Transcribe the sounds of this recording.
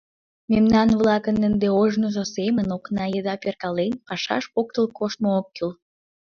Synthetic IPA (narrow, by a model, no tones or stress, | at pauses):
memnɑnβlɑkənːə̆nd̪eoʒnoʒosemənoknɑjəd̪ɑperkɑlenpɑʃɑ̰ʃpok̚t̪əlkoʃt̪̚mookːyl